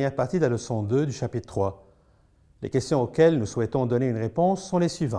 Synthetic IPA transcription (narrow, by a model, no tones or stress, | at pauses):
jɛʁpaʁt̪id̪laləsɔ̃d̪ød̪yʃapit̪ət̪χwa | lḛkʲɛst̪jɔ̃okʲɛlnuswɛt̪ɔ̃d̪ɔneynʁepɔ̃sːɔ̃lesɥivɑ̃